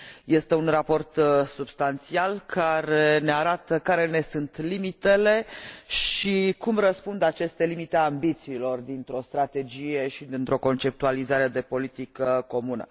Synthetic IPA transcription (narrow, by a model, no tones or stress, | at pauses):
je̞st̪e̞unrapo̞rt̪subst̪ant̪sialkʰaɾe̞ne̞aɾat̪əkaɾe̞ne̞sunt̪limit̪e̞le̞ʃikumrəspund̪at͡ʃe̞st̪e̞limit̪eambit̪siːlo̞rd̪int̪ɾo̞st̪ɾat̪e̞d͡ʒije̞ʃid̪int̪ɾo̞ko̞nt͡ʃe̞p̚t̪ualizaɾe̞d̪e̞po̞lit̪ikəko̞munə̰